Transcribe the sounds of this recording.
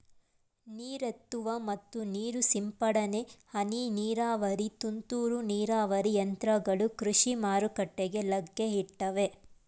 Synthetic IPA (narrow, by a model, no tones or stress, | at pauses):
niːɾet̪ːuʋɐmɐt̪ːuniːɾusimpɐɽɐnehɐniniːɾaːʋɐɾit̪unt̪uːɾuniːɾaːʋɐɾijɐnt̪ɾɐɡɐɭukɾuʂimaːɾukɐʈːeɡe̞lɐɡːeɦiʈːɐʋe